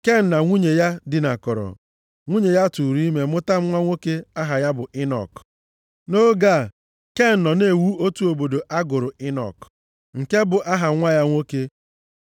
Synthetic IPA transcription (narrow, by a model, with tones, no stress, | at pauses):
ke˦n̩˨na˨ŋʷu˦ɲe˨ja˦dɪ˨na˨kɔ˨ɾɔ̰˨ | ŋʷu˦ɲe˨ja˦tu˨ɾi˦me˨mʊ˦ta˦m̩˦ŋʷa˦ŋʷo˦ke˦a˦ɦa˨ja˦bʊ˨ʔɪ˦nɔ̰˨k | no˦ɡa˦˨ | ke˦n̩˨nɔ˨ne˨wu˦o˦tu˦o˨bo˨do˨ʔa˦ɡʊ˨ɾʊ˨ɪ˦nɔ̰˨k | ŋ̩˨ke˦bʊ˨ʔa˦ɦa˨ŋʷa˦ja˦ŋʷo˦ke˦